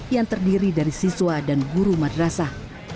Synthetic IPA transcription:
jaŋt̪ərdiɾidaɾisiswadanɡuɾumadəɾasa

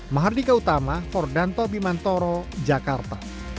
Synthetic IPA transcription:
maɦardikaut̪amapɔrdant̪ɔpimant̪ɔɾɔd͡ʒakart̪a

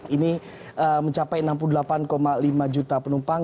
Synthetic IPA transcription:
ini | əməɲt͡ʃapajənamp̬uludəlapankomalimad͡ʒut̪apənumpaŋ

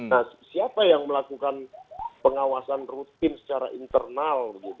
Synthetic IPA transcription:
nasiapajaŋməlakukanpəŋawasanrut̪̚ɪnsə̥t͡ʃaɾa̰ʔint̪ərnalbəɡit̪

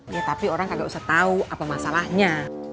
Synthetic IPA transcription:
jat̪apioɾaŋkaɡaʔusaht̪auʔapamasalahɲa

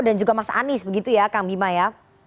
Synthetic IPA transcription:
dand͡ʒuɡamasaʔa̰nɪsbəɡit̪ujakaŋbimaja

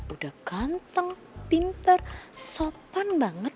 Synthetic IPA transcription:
udahɡ̥ant̪əŋ | pint̪ərsopanbaŋət̪̚

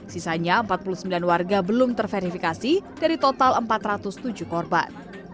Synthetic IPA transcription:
sisaɲaəmpat̪̚pulusəmbilanwarɡabəlʊmt̪ərfeɾifikasid̥aɾit̪ot̪aləmpat̪rat̪ʊst̪ud͡ʒʊhkɔrba̰n

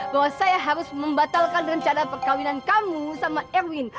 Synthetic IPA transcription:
baɦwasajaɦaɾʊsməmbat̪alkandəŋaɲt͡ʃanapərkawinankamusamaʔɛrwɪn

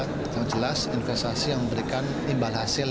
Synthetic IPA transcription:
t̪̚ | jaŋd͡ʒəlasinfɛst̪asijaŋməmbəɾikan | imbalɦasɪl

